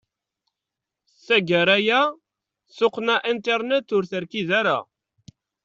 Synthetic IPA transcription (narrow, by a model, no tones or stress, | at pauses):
sæɡəɾæjæ | sʊqːnæʔint̪eɾnet̪ʊɾθəɾkiðæɾæ̰